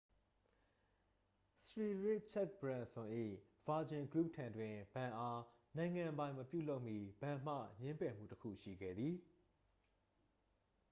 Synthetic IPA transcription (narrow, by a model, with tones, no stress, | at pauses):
sɹi˨ɹɪ˦˨ʔ̚t͡ɕʰɛ˦˨k̚bɹã˨nsʊ̃˨ʔḭ˦˨ | v̥a˨d͡ʑɪ̃˨ɡɹu˦˨p̚tʰã˨ndwɪ̃˨bã˨ʔa˦ | nã˨ɪ̃ŋã˨mbã˦ɪ̃məpjṵ˦˨lo˦ʊʔmi˦˨b̥ã˨m̥ä̰˦˨ɲɪ̃˦mpɛ˨m̥ṵ˦˨təkʰṵ˦˨ʃḭ˦˨ɡɛ̰˦˨d̪ði˨